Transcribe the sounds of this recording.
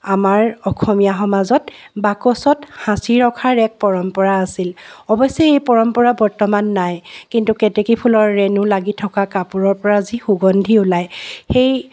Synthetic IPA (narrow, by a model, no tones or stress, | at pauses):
amaɹɔkʰɔmijaxɔmazɔt | bakɔsɔthãsiɹɔkʰaɹɛk̚pɔɹɔmpɔɹaːsilɔbɔjsɛejpɔɹɔmpɔɹabɔɹtɔmanːajkintukɛtɛkipʰulɔɹːɛnʊlaɡitʰɔkakapuɹɔɹpɔɹazixuɡɔndʱiʊlajxej